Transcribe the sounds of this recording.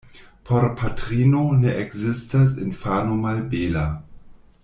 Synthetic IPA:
pʰoɾpʰatɾiːnoneʔɛkzɪstas̬ɪnfanomalbeːla

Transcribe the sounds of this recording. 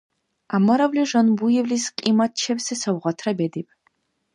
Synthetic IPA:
amɐɾɐvliʒɐnbujɛvlisqʼiːmɐt̚t͡ʃʰɛpsɨsɐwʁɐtʰrɐbedip̚ʰʼ

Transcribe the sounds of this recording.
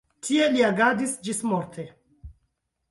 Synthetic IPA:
tʰie̞liaɡadisd͡ʒismoɾtʰe

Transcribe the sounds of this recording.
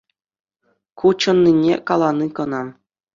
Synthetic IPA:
kut͡ɕɤ̆nːinʲḛkɑlˠɑnikɤ̆nɑm

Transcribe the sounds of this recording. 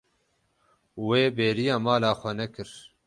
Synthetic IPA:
weːbeːɾijaːmaːlaːxʷɛnɛkɨɾ

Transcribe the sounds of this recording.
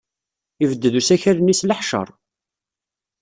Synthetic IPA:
ivəd̪ːəðusæçæɾənisləħʃə̰ɾˤ

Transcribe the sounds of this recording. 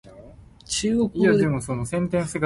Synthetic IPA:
t͡ɕɨːɡokɯiad̪emosonosẽ̞nt̪̬ẽɰ̃fseɡ

